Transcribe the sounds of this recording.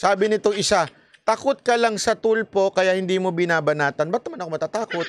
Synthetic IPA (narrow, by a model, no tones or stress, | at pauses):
saːbɪnɪt̪oŋʔɪsa | t̪ɐkot̪̚kɐlaŋsɐt̪ulpo̞kɐjaʔhɪnd̪iːmobɪnaːbɐnaːt̪ɐnbɐt̪̚nɐmanɐkomɐt̪aːt̪aːko̞t̪̚